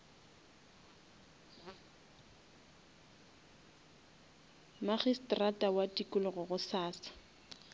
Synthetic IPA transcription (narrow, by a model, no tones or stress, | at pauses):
maχistʼratʼawatʼikʼʊlʊɣʊɣʊsaːsḁ